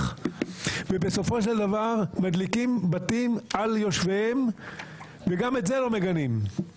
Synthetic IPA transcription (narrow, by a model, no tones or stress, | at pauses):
vebeso̞fo̞ʃeld̪avaʁmad̪likimbat̪imaljo̞ʃvehem | veɡame̞tzelo̞me̞ɡanim